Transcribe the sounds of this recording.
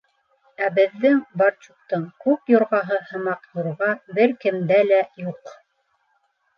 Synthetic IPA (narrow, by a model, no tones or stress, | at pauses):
æbɘ̆ðːɘŋbɑɾt͡ʃuq̚t̪ɤɴkʉpjŏɾʁɑɦɤhɤ̆mɑqjŏɾʁɑbɘɾkɘ̆md̪ælæjuq